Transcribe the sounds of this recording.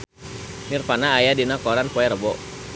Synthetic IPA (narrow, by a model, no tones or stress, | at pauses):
nirfanaːjadinakɔɾanpɔɛɾəbɔ